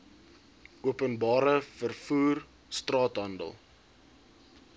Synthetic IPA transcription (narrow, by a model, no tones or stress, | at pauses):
ʔuəpənbɑːɾəfərfuːr | strɑːtɦɐndə̰lˠ